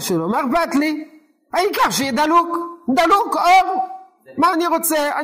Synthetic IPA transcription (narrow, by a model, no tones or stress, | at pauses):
ʃelomaʁbat̪li | ajikaʁʃed̪alukd̪alukoʁ | maːniʁot͡sea